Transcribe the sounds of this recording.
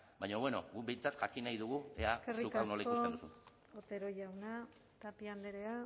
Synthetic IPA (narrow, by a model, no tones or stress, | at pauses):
bajɲoβwe̞no̞̰ɡube̞jt͡sat̪ʝakinajðuɣueakeriukanolaikuoteuusu | ot̪e̞ɾo̞jawna | t̪apiand̪eɾea